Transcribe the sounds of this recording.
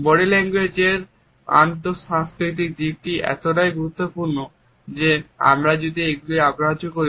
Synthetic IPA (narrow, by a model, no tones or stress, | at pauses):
bɔɽilɛŋɡwed͡ʑeɾ | a̰nt̪oʃãŋskɾit̪̬ik̚d̪ik̚ʈiɛ̰t̪oʈajɡuɾut̪ːopuɾno | d͡ʑea̰mɾad͡ʑod̪ieɡuliabɾɦat͡ɕokoɾi